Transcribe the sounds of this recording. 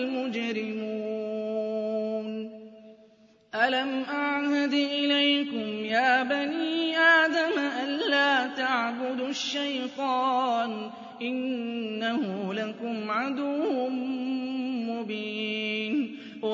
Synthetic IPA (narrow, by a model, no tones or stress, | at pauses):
mʊd͡ʒɾɪmuuː | n | ʔalamʔaʕhad̪ʔɪlajkʊmjaːbaniːʔaːd̪amʔanlaːt̪aʕbʊd̪ʃːajt̪ˤɑːn | ʔɪnːahʊlakʊmʕad̪ʊw | mʊbiːn | w